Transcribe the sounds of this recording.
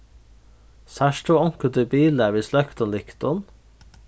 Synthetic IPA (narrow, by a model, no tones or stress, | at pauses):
sæʃʈuːɔŋkəd̪əbiːlæʋiːslœkt̪ɔnlɪkt̪ɔn